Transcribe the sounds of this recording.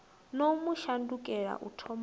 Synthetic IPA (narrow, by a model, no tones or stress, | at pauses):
nomuʃandukʼɛɺa̰ʔṵtʰɔm